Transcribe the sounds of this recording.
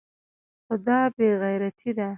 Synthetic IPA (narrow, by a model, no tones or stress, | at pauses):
xod̪ɑbeɣajɾat̪ʰid̪a